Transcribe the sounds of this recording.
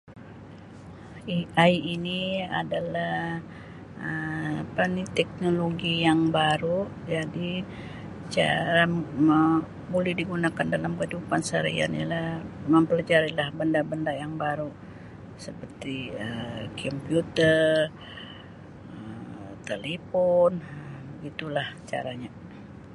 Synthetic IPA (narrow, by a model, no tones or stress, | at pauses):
iajːnia̰dalah | əpanit̪ɛk̚noloɡijaŋbaɾu | d͡ʒadi | t͡ʃa̰ɾaə | bolɛhdiɡunakandalamkəidupansaɾḭa̰nialahməmpəlad͡ʒaɾilahbəndabəndajaŋbaɾu | səpərt̪iəkʰɔmpijut̪ər | ət̪elepɔnəbəɡit̪ulaht͡ʃa̰ɾaɲa